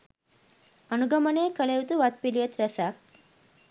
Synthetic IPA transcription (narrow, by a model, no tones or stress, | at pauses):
ɐnuɡɐmɐneːkɐɭeut̪uʋɐt̪̚piliʋɐt̪ɾɐsaːk̚